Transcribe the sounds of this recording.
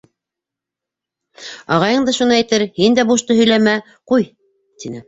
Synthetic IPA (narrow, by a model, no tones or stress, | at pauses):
ɑ̰ʁɑjɤɴd̪ɑʃunɤæjt̪ɘɾhind̪æbuʃt̪ɤɦɵ̆jlæmæ | quj | t̪inɘ